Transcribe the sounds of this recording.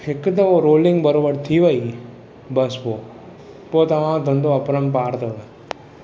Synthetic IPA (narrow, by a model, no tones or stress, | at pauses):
ɪkd̪ɐoɾoːlɪ̃ŋɡbəɾoːbəɾt̪ʰiːʋəi | bɐspo | pot̪ɐʋãːd̪ʱənd̪oɐpɾəmpaːɾt̪oːɡa